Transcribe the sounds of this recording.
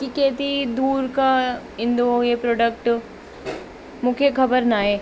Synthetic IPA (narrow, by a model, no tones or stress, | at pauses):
kikeːt̪id̪uːɾka | ɪ̃nd̪ojepɾoːɖək̚ʈ | mʊkʰjekʰɐbəɾnaːeː